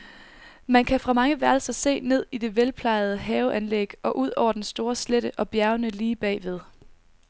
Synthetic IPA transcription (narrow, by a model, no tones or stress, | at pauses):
mænkʰæfʁɑ̈mɑ̈ŋəʋæɐlsɐse̝̰ːne̝ð̞̰ˠid̥e̝ʋelpʰlɑ̈ɪð̞ˠəɦɛːʊʔænleɡ̥ʔɒ̽ʔuð̞̰ˠɒ̰ʊ̰ɐd̥ensd̥o̝ːɐsleɾ̥əʔɒ̽b̥jæɐʊnəliːb̥ɛ̰ːʋe̝ð̞ˠ